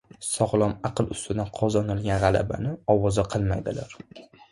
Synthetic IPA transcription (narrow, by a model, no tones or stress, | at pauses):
sɒʁlˠɒmɑqɨlˠʊst̪ɪd̪anqʰɒzɒnɪlˠɡʲanʁɑlˠa̰ba̰nɪɒwɒzaqʰɨlˠmajd̪ɪlaɾ